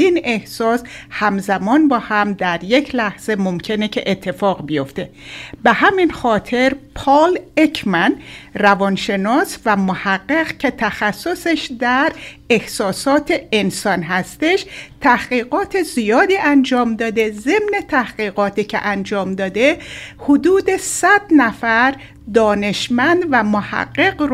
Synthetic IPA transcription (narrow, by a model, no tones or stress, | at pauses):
ine̞hsɒːshæmzæmɒːnbɒːhæmd̪æɾje̞cʰlæhz̥e̞momcʰe̞ne̞cʰe̞̰ʔet̪ʰːe̞fɒːɣbijo̞ft̪e̞behæminxɒːt̪ʰe̞ɾpʰɒːlecʰmænrævɒːnʃe̞nɒːsvæmohæɡːeɣcʰe̞t̪ʰæxæsːo̞seʃd̪æɾ | ehsɒːsɒːt̪ʰe̞ensɒnɦæst̪e̞ʃt̪ʰæhɢiːɣɒːt̪ʰe̞zijɒːd̪iːʔænd͡ʒɒːmd̪ɒːd̪e̞ze̞mne̞t̪ʰæhɢiːɣɒːt̪ʰiːcʰḛʔænd͡ʒɒːmd̪ɒːd̪e̞hod̪uːd̪e̞sæd̪næfæɾ | d̪ɒːne̞ʃmænd̪væmohæ̰ɡːe̞ɡɾ